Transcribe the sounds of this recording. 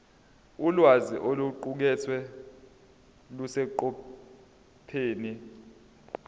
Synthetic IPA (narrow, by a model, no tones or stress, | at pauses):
ulwaziʔoluǃuk̬ɛt͡sʰwɛ | lusɛǃɔ | pʰeːni